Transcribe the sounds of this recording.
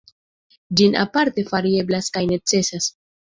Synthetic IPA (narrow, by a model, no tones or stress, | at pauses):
d͡ʒina̰paɾte̞faɾie̞blaskajne̞t͡se̞sas